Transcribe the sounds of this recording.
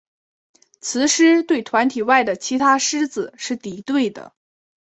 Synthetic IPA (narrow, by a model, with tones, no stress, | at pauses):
t͡sʰɹ̩˧˥ʂɻ̩˥t̪we˥˩ɪt̪ʰwa˧˥nt̪ʰi˨˩wa˥˩ɪd̪ə˩t͡ɕʰi˧˥t̪ʰa˥ʂɻ̩˥d͡zɹ̩˩ʂɻ̩˥˩t̪i˨˩t̪we˥˩ɪd̪ə̰˩